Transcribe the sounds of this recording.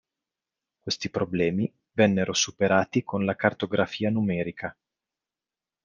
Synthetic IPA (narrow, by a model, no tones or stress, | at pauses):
kwest̪ipɾoblɛːmi | vɛnːeɾosupeɾaːt̪ikʰonlakart̪oɡɾafiːanumɛːɾikʰa